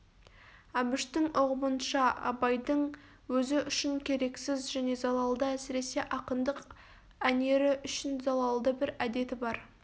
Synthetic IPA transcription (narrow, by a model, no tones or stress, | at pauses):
ɑbɪʃt̪ɪŋʊʁəmənʃɑɑ̰bɑjd̪əɴ | wɵzɪʔʏʃɪŋkʲʰe̞ɾe̞ksɪzʒæne̞zɑlˠɑlˠd̪əæsɪɾe̞se̞ʔɑqənd̪əq | æne̞ɾɪʔʏʃɪnzɑlˠɑlˠd̪əbɪɾæd̪e̞t̪ɪbɑɾ